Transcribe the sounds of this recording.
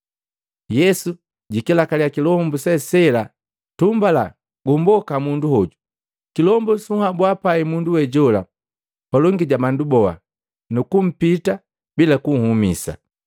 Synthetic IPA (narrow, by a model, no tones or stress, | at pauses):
jɛsu | ɟikɛlakaliakilɔmbusɛsɛla | tumbala̰ | ɡumbɔkamunduhɔɟu | kilɔmbɔsuhabwapaimunduwɛɟɔla̰ | palɔŋɡiɟamandubɔa̰ | nukum̩pita | bilakuŋ̩humḭsa̰